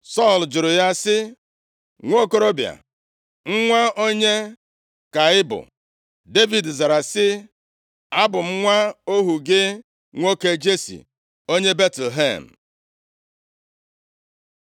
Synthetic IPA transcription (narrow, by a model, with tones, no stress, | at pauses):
sɔ˦˨ld͡ʒʊ˨ɾʊ˨ja˦sɪ˦ | ŋʷo˦˨ko˦ɾo˦bja̰˨ | ŋ̩˦ŋʷa˦o˦ɲe˦ | ka˨ɪ˦bʊ̰˨ | de˦vi˨dza˨ɾa˨sɪ˦ | a˦bʊ˨m̩˦ŋʷa˦o˦ɦu˨ɡɪ˦ | ŋʷo˦ke˨d͡ʒe˦sḭ˨ | o˦ɲe˦be˦tl̩ɦḛ˦˨m̩˨